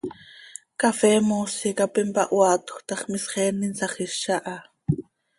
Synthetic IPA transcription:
kafeːmosikapimpa̰ʔwaːt̪ʊ̥xt̪ɑχmɪsχɛːninsaχɪʃaʔa

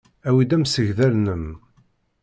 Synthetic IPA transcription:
æwid̪æmsəʝðælnəm

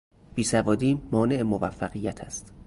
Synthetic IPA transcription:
b̥iːsævɒːd̪iːmɒːne̞emovæfːæɢijːæt̪ʰæst̪

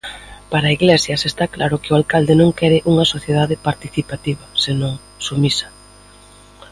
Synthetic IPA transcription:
paɾaiɣlɛsjɐsest̪aklaɾʊkɪʊalkald̪ɪnõŋkɛɾɪʔuŋɐsoθjeðaðɪpaɾt̪iθipat̪iβɐsenõŋ | sumisɐ̥

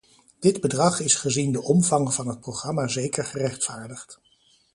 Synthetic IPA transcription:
d̥ɪdbədrɑχɪsχəzindəʔɔmvɑŋvɑnɦət̚prowχrɑmaːzejkəɹχərɛχtfaːɹdəχt

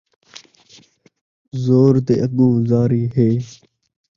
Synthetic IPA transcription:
zoːɾt̪eːʔəɠũːzaːɾiːɦeː

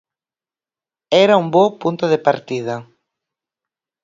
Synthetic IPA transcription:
ɛɾaumbopunt̪oðepaɾt̪iðɐ

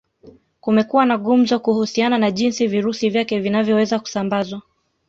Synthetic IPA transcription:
kumɛkuwanaɠum̩zɔkuhusiananaʄinsiviɾusivjakɛvinavjɔwɛzaku̥sambazwa

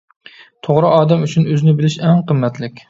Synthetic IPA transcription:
t̪ʰoʁɾɨʔɑːd̪ɛmyt͡ʃʰynøzɪnɪbɪlɪʃɛŋqəmːɛt̪lɪkʲ

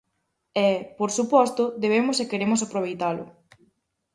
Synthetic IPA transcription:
ɛpoɾsupɔst̪ʊd̪eβ̞emʊsekeɾemʊsapɾoβejt̪alʊ̰

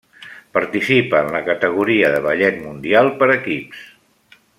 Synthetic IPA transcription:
pəɾt̪isipəːnləkət̪əɣ̞uɾiəðəβəʎɛt̪mund̪ialˠpəɾəkips

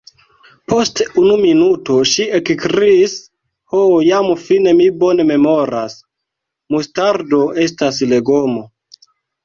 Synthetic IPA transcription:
po̞stunuminuto̞ʃiekkɾiːs | hojamfine̞mibo̞ne̞me̞mo̞ɾas | mustaɾdo̞ʔe̞s̬tasle̞ɡomo

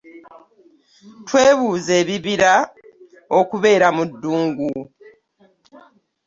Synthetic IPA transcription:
twe̞ːβuːze̞ːβiβiɾa | o̞kuβe̞ːɾamudːuːŋɡu

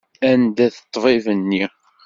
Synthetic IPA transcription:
ænd̪æθə̥t̪ˤːvɪvənːi

